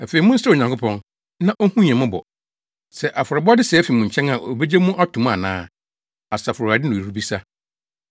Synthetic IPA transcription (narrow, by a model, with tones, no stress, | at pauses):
æ˨fe˨i˨mʊ̃˦sɾɛ˦˨o˨ɲã˨ŋkʰʊ˦pʰɔ̃˦n | nã˦ʔo˦hũ˦ɲ˨ɛ̃˨mʊ̃˦bɔ̰˨ | sɛ˨ʔa˨fʊ˨ɾɔ˨bɔ˦dɪ˦sɛ˨ɛ˦fi˨mũ˨ɲ̩˨t͡ɕʰɛ̃˦na˨ʔo̰˨be˦d͡ʑe˦mũ˦ʔa˦tʰũ˨m˦a̰˨nã̰ː˦ | a˨sa˨fʊ˨a˨dɪ˦nʊ̃˨i˨ɾu˦bi˦sa˦